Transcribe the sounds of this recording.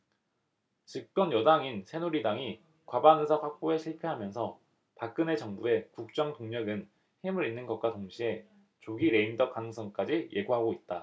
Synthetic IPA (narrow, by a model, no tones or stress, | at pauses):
t͡ɕip̚k͈ʌnjʌdaŋinsʰe̞nuɾidaŋi | kwabanɯsʰaɸwak̚p͈oeɕʰiɭpʰeɦamjʌnsʰʌ | pak̚k͈ɯne̞t͡ɕʌŋbue̞kuk̚t͡ɕ͈ʌŋtoŋɲʌɡɯn | hemɯɾinːɯnɡʌt̚k͈watoŋɕʰie̞ | t͡ɕoɡiɾe̞indʌkaŋŋsʰʌŋk͈ad͡ʑije̞ɡoɦaɡoit̚t͈a